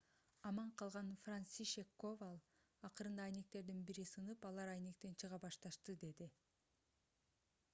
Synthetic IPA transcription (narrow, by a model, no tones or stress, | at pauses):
ɑmɑɴqʰɑlˠʁɑnfransiʃekːovɑlˠ | ɑqɯɾɯnd̪ɑːjne̞k̚t̪e̞ɾd̪inbiɾisɯnɯpɑlˠɑɾɑjne̞k̚t̪e̞nt͡ʃʰɯʁɑbɑʃt̪ɑʃt̪ɯd̪e̞d̪i